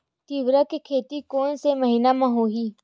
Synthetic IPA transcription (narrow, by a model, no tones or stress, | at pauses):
t̪iʋɾəkkʰeːt̪ikoːnseməɦiːnamãːɦoːɦiː